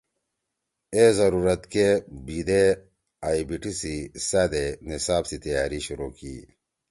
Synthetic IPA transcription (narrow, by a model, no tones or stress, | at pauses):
ezɐɾuːɾɐt̪kebiːd̪e | aːibiʈisisaːd̪enisaːbsit̪ɐjaːɾiɕuɾuːkiː